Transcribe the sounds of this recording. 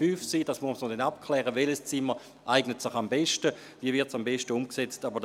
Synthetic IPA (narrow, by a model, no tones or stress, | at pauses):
fyːfsiːdasmumsnodɛnap̚kʰlɛːʁəʋɛləst͡sɪmə | ʔaɪɡnətsɪχambeʃtə | viəvɪɐtsambɛʃtəumkset͡stabɐd